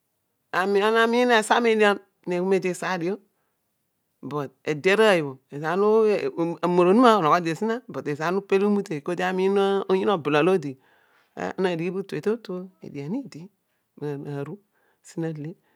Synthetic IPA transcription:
a˨mi˨a˦na˨mi˦i˦n˦a˨sa˦me˦da˦ | ne˨ku˦me˦de˦˨sa˨˦di˨jo˦ | bo˨t̚e˨de˦ɾa˦˨ji˨bo˨e˨za˨˦nu˦˨a˨mo˨ɾo˨˦nu˦ma˦o˨no˨ko˦de˨si˦na˦bo˨te˨sa˨˦nu˦pe˦li˦mu˦te˨ko˦de˦a˦mi˦na˦o˦ɲi˦no˦bu˨la˨lo˦dḭ˨˦ | a̰˦na˨di˨ɡi˦bu˦te˨to˦to˦ḛ˨di˨a˨ni˦di˦ | m˨na˨ɾu˦˨ | si˦na˦˨le˦

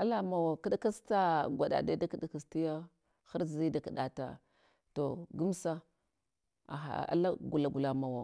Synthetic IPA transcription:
a˦la˦ma˨wa˨ka˦dka˦sta˦ɡʷa˨ɗa̰˨da˦da˦ki˨da˨ka˨sti˦ja˦ | xa˦ɾzi˦da˨ki˨ɗa˨ta̰˨ | to˨ɡu˦msa˦ | a̰˨ɦa̰˨a̰˦la˦ɡu˨la˨ɡu˨la˨ma˨wa˨

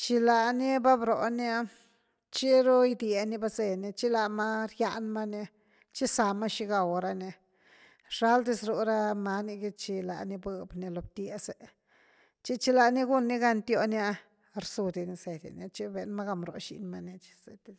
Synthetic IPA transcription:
t͡ʃi˧la˧ni˦ba˦bɾo˨na˦ | t͡ʃi˦ɾu˦jd̪je˧ni˧ba˦ze˧ni˧t͡ʃi˦la˧ma˦ɾja˧nma˦ni˧ | t͡ʃi˦sa˨ma˦ʃi˧ɡa˧˨wɾa˧ni˧ | ʂa˦ld̪i˦˧sɾu˧ɾa˦ma˧ni˧ɡi˦t͡ʃi˧la̰˨ni˧bɨ˧bni˧lo˧b̚t̪je˧se˨ | t͡ʃi˦t͡ʃi˧la˧ni˦ɡu˦nːi˦ɡa˧nt̪jo˧nja˦˧ | ɾsu˧d̪i˧˨ni˧se˨d̪ʲḭ˨na˧t͡ʃi˦be˨nma˦ɡa˧mɾo̰˨˧ʃḭ˧˨nma˧ni˧t͡ʃi̥˧zḛ˨d̪i˧

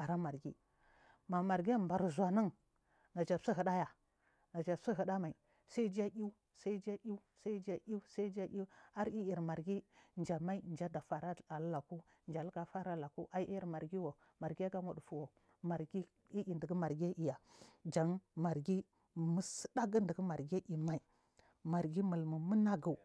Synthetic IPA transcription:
a˨ɾa˦ma˨ɾɡi˦ | ma˨ma˨ɾɡi˦a˦mba˨ɾzʷa˨na˦ŋ | na˨d͡ʒa˨si˦ɦə˨ɗa˦ja˨ | na˨d͡ʒa˨si˦ɦə˨ɗa˦ma˨i˨ | sa˦i˦d͡ʒa˦ʔi˦u˦ | sa˦i˦d͡ʒa˦ʔi˦u˦sa˦d͡ʒa˦ʔi˦u˦sa˦i˦d͡ʒa˦ʔi˦a˦ɾi˦i˨ɾma˨ɾɡi˦nd͡ʒa˨ma˦i˦nd͡ʒa˦da˨fa˨ɾa˦a˨lla˨ku˦ | nd͡ʒa˨lɡa˦fa˦ɾa˦la˨ku˦ʔa˦i˦ɾma˨ɾɡi˦wo˨ | ma˨ɾɡi˦a˦ɡa˦mu˨ɗu˨fu˨wo˨ | ma˨ɾɡi˦ | i˦ʔi˨ndə˨ɡə˦ma˨ɾɡi˦a˦ʔi˨ja˨d͡ʒa˨ŋma˨ɾɡi˦˨ | mə˦sə̥˦da˦ɡə˦ndə˨ɡə˦ma˨ɾɡa˦ʔi˨ma˨i˨ | ma˨ɾɡi˦mə˨lmu˨mu˦na˦ɡu˨

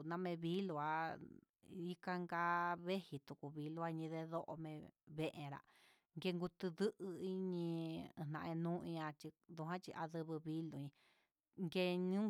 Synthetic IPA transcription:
nã˧mẽ˧βi˦lu˧a˧ | i˦ka˧ŋɡa˧βe˦hi˧t̪u˨ku˨βi˧lu˧a˧ɲĩ˧ðe˧ðo˦ʔo̰˧mẽ˧βe˧ʔẽ˧ɾa̰˨ | ŋɡe˧ŋɡu˧t̪ɨ˧ðɨ˦ʔɨ˧i˧˦ɲĩ˧˨nã˧ẽ˧nũ˦ĩ˧ã˧t͡ʃi˧ðu˧ɦã˦t͡ʃi˧ʔa˧ðɨ˧βɨ˧βi˦lu˧˨ĩ˧ | ŋɡe˧ɲũ˦

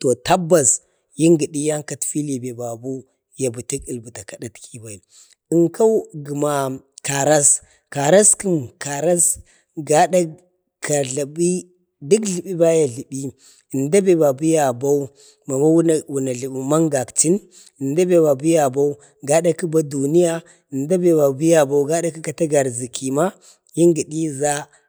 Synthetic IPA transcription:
to˨ta˦bːa˨s | ji˦ŋɡi˨ɗi˦ja˦ŋka˨tfi˦lbe˨ba˨bu˦ | ja˨bu˨ti˦ki˨lbu˨ta˨ka˨ɗa˦tkʰi˦ba˨i˨ | i˨ŋkʰa˦wɡi˨ma˨ | ka˨ɾa˦s | ka˨ɾa˦ski˦mka˨ɾa˦s | ɡa˦da˦ | kʰa˨ɮa˨bi˦ | di˦kɬi˨bi˦ba˦ja˨ɮi˨ɓi˦ | ə˨nda˦be˨ba˨bu˦ja˨ba˦u˦ | ma˨ma˦wwu˨na˨ɮi˨bi˨ma˦ŋɡa˨kti˦n | ə˨nda˦be˨ba˨bu˦ja˨ba˦u˦ | ɡa˦da˦ki˦ba˦du˨ni˦ja˦ | i˨nda˦be˨ba˨bu˦ja˨ba˦u˦ɡa˦da˦ki˦ka˨ta˦ɡa˨ɾzi˨kʰi˨ma˦ | ji˦ŋɡi˨ɗi˦za˦

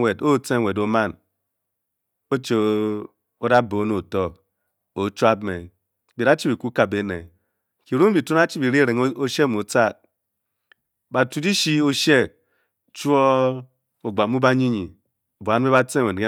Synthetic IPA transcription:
we˨do˦˨t͡se˦˨we˨do˨ma˦n | o˦t͡ʃe˨ | o˦da˦bo˨˦no˨tɔ˦ | o˨˦t͡ʃu˦a˦bme˨ | bi˨ɾa˦t͡ʃi˦bi˨ku˦ka˨be˨˦ne˨ | ki˨ɾu˦m˦bi˨tu˦a˦t͡ʃi˦bi˨ɾe˦ɾe˨ŋ˦o˦ʃe˦mo˨t͡sa˦ | ba˨tu˨di˦ʃi˦o˦ʃe˦ | t͡ʃu˦o˦ | o˨ɡ͡ba˨mu˦ba˦ɲi˦ɲi˨ | bo˨a˨˦n˦be˦ba˦t͡se˦˨we˨ɡe˦

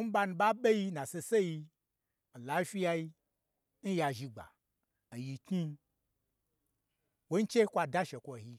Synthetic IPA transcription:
n̩˦ba˧nũ˧ɓa˦ɓe˦ji˧nã˨se˧se˦ji˧˨ | la˨˦fʲi˦ja˧ji˧ | n̩˦ja˧ʒi˧ɡ͡ba̰˨ | n̩˨ji˧ki˦ | wo˦n̩˦t͡ʃe˦kʷa˧da˦ʃe˨kʷo˨hi˧

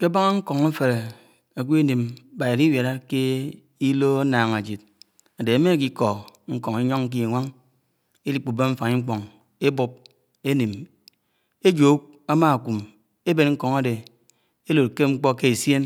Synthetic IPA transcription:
ke˦ba˦ŋa˦ŋ̩˦kɔ˨ŋ̩˦fe˨ɾe˨ | a˨kʷi˦e˦ni˨m˦ba˨je˨ɾi˦wja˨ɾa˦ke˦ | i˦lo˦a˦naː˨ŋa˨d͡ʒi˨t̚ | a˨de˨a˨˦me˦˨k̬i˦kɔ˨ŋ̩˦kɔ˨ŋi˦ɲɔ˦ŋŋ̩˦k̬i˦a˨ŋʷa˦ŋ | e˦li˦k͡pu˨be˦ɱ̩˦fa˨ŋi˦ŋ͡m̩˦k͡pɔ˨ŋ | e˦bu˦p̚ | e˦ni˨m | e˦d͡ʒo˨˦k̚ | a˦ma˦a˨ku˨m | e˦be˨nŋ̩˦kɔ˨ŋa˨de˨ | e˦lo˨t̚ke˦ŋ͡m̩˦k͡pɔ˦ke˦e˨sje˦n

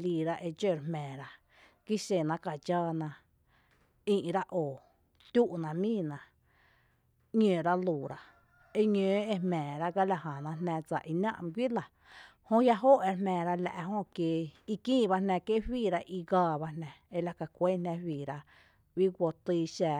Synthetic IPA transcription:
liː˧˨ɾa˦ʔe˧d͡ʒe˦˨ɾmɛ̃ː˨ɾa˧ | ki˦ʃe˨nã˧ka˨d͡ʒaː˦˧nã˧ | ĩ˧ʔɾa˦ʔoː˨ | t̪ʲu˦ʔnã˧mĩː˦˨nã˧ | ɲẽː˨ɾa˦luː˨ɾa˧ | e˦ɲə̃ː˨˦e˧hmɛ̃ː˨ɾa˦ɡa˦la˧ɦã˨nã˧ɦnæ̃˧d͡za̰˨ʔi˧nã̰˦ʔm˧ɡʷwi˦la˨ | hõ˦ja˦ɦoː˦ʔe˧ɾmɛ̃ː˨ɾa˧læ̰˨ʔɦõ˦kje˧i˧kĩː˦˨ba˧nɛ̃˧ke˦ʔhwiː˦˧˨ɾa˧ʔi˧ɡaː˧ba˧nɛ̃˧e˧˦la˧ka˨kʷe˦nɛ̃˧hwiː˨ɾa˧ | wi˦ɡʷo˧t̪iː˧ʃæː˧˨

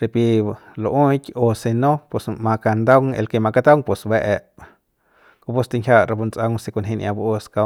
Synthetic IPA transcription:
ɾe˧˨pi˧lo˧ʔũ˦kʲo˧se˧nõ˦pe˨smã˧ka˧nd̪a˦wŋḛ˧lke˧mã˧ka˦t̪a˦wŋpe˨sbe˧ʔe˨˧ʔ | ko˧pu˦st̪e˧ŋkʰʲja˦˧ʔɾa˧bu˧nt͡sʔa˧wŋse˧ku˧nɦĩ˧nʔã˧bu˧ʔo˧ska˧

